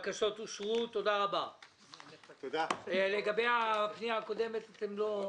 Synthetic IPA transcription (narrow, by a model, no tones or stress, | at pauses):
kaʃot̪uʃʁut̪ːod̪aʁaba | eleɡabejapnijaːko̞d̪emet̪at̪emlo